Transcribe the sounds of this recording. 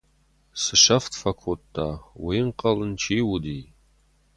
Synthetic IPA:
sɨʃɐftʰfɐkʷʰʊtʰːawiːɴqɐlɨnt͡ʃʰiːwudiː

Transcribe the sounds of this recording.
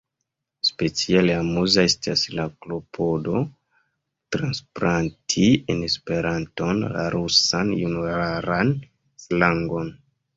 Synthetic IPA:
spe̞t͡sialeamuzaestaslaklo̞pʰo̞do̞ | tɾanspɾantʰienespe̞ɾanto̞nla̰ɾusanjunueɾaɾan | slaŋɡo̞n

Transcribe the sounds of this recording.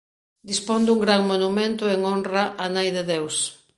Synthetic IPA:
d̪ispond̪uŋɡɾaŋmonumẽnt̪ʊeŋonraʔanajðeðews

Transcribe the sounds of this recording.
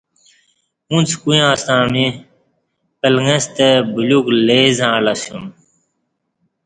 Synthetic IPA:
ũnt͡sʰkuj̃ãːst̪ãːniː | pəlŋẽst̪ebʊluːkleːzãːlasjũm

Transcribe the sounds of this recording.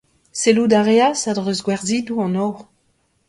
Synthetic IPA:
selud̪aʁeasadʁøzɡwɛʁdiduɑ̃nɔʁ

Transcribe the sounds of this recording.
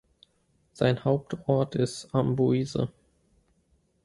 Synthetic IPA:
z̥a̰ɪnhaʊp̚tʰɔɐtʰɪstambuiːzə̰

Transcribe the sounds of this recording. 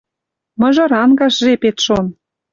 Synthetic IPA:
mɤ̆ʒɤ̆ɾɑnɡɑʃʒepet̪ʃon

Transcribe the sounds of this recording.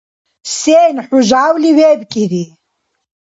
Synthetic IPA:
sɛːnħuʒaːwliwɛːbkʼiɾi

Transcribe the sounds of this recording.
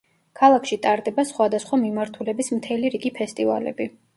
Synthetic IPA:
kʰalˠakʰʃit̪ʼaɾd̪ɛbasχwad̪asχwamimaɾt̪ʰulɛbismt̪ʰɛliɾiɡipʰɛst̪ʼiva̰lɛ̰bi

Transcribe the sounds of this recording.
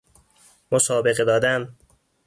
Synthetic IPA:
mosɒːbe̞ɣed̪ɒːd̪æn

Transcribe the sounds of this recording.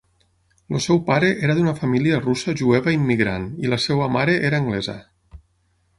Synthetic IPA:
losɛwpaɾeʔeɾaðunafamiliarusaʒueβaimːiɣɾa̰nilasɛwamaɾeʔeɾaːŋɡlɛzə̰

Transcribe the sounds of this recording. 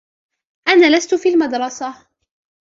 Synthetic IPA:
ʔanaːlast̪ʊfiːlmɑd̪ɾˤɑsa

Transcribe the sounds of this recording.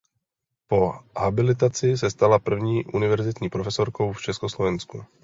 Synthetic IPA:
po̞habɪlɪt̪at͡sɪs̬ɛst̪alapr̩vɲiːʔunɪvɛɾzɪt̪ɲiːpɾofɛsoɾko̞wft͡ʃɛskoslovɛnsku

